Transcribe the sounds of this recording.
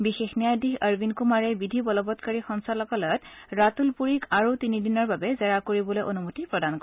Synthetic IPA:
bixexnijadixəɹbinkumaɹɛbidʱibɔlɔbɔtkaɹixɔnsalɔkɔlɔtɹatulpuɹikʰaɹutinidinɔɹbabɛzɛɹakoɹibɔlojʔonumutipɹɔdankɔ

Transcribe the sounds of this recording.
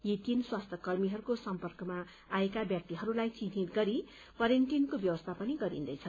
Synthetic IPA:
jit̪inswast̪ʰʌkʌrmiɦʌɾukosʌmpʌrkʌmaː | ekabjʌk̚t̪iɦʌɾulajt͡sinit̪ɡʌɾi | pʌɾent̪inkobjʌwʌst̪ʰapʌniɡʌɾḭnd̪ʌjt͡sʰʌn

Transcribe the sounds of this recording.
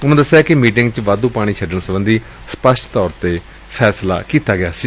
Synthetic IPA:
ʊnõːd̪əsːjaːkɪmiːʈɪŋɡt͡ʃʋaːd̪ũːpaːɽ̃iːt͡ʃʰəɖəɳ̃ːsəbənd̪iː | spəsʈt̪ɔːɾt̪eː | pʰɛːsla̰ːkiːt̪aːɡɪaːsiː

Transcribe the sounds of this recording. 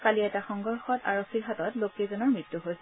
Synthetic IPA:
kaliɛtaxɔŋɡɔɹxɔta̰ɹokʰːiɹɦatɔtlokiezɔnɔɹmɹitːuɦojsɛ

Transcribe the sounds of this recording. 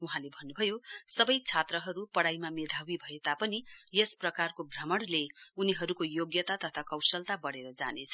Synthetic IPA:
uɦãlebʱʌnːubʱʌjosʌbʌjt͡sʰat̪rʌɦʌɾupʌɽajmamed̪ʱawibʱʌet̪apʌnijesprʌkarkobʱrʌmʌɽleuniɦʌɾukojoɡjʌt̪at̪ʌt̪ʰakʌwsʌlt̪abʌɽeɾʌd͡za̰net͡sʰʌ̥

